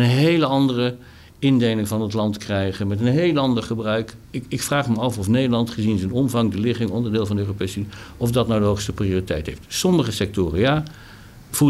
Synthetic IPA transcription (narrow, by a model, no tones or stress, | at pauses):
ənɦejləɑndərə | ɪndejlɪŋvɑnətlɑntkrɛjχənmɛtənɦejləɑndəɹχəbrœɥkɪkɪkfraːχməɑfɔfnejdəɹlɑntχəzinzənɔmvɑŋdəlɪχɪŋɔndəɹdɪːlˠvɑndəøːropejsynɔfdɑtnawdəɦoχstəprioːritɛjtɦejftsɔməχəsɛk̚tʊːrəjaː | v̥u